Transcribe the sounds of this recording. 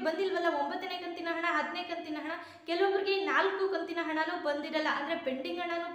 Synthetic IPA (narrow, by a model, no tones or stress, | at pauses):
bɐnd̪ilʋɐlːɐombɐt̪ːɐneːkɐnt̪inɐɦɐɳɐɦɐd̪neːkɐnt̪inɐɦɐɳɐ | kɛlɐʋɐʋɐɾiɡe̞naːlkukɐnt̪inɐɦɐɳɐnuːbɐnd̪iɾɐlːɐʔɐnd̪ɐɾe̞beɳɖiŋɡɦɐɳɐnuː